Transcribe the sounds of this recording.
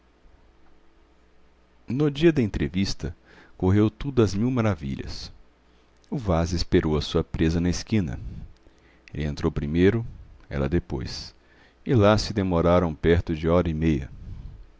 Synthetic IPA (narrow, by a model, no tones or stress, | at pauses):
nʊd͡ʒiɐd̪ɐẽnt̪ɾevist̪ɐ | koɦewt̪ud̪ʊɐzmiwmaɾavḭʎɐ̰s | ʊvazespeɾowɐsuɐpɾezɐnɐɪskĩnɐ̰ | elɪẽnt̪ɾowpɾimejɾʊɛ̰lɐ̰d̪epo̰js | ɪlasɪd̪emoɾaɾɐ̃w̃pɛɾt̪ʊd͡ʒɪɔɾɐɪmejɐ̰